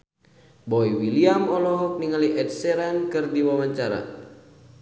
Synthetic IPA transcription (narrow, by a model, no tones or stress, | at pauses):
bɔiwiliamɔlɔɦɔk̚niŋaliʔɛtsɛɾankɨrdiwamaɲt͡ʃaɾa̰